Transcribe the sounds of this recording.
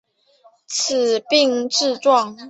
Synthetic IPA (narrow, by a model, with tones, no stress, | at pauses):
t͡s̩ʰ˨˩pi˥˧ŋʈ͡ʂɻ̩˥˧t͡swɑ˥˨ŋ